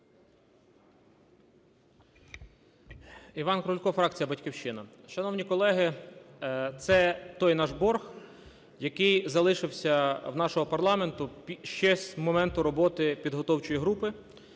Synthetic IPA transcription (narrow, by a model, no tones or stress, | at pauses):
iʋɑnkɾɔlʲkɔfɾɑk̚t͡sʲijɐbɐtʲkʲiwʃɪnɐʃɐnɔwnʲikɔlˠɛɦɪ | t̪sɛt̪ɔjnɑʒbɔrx | jɐkɪjzɐlˠɪʃɪwsʲɐwnɑʃɔɦɔpɐrlˠɑme̞nt̪ʊpʲʃt͡ʃɛsʲmɔmɛnt̪ʊɾɔbɔt̪ɪpʲid̪ɦɔt̪ɔwt͡ʃɔjiɦɾupɪ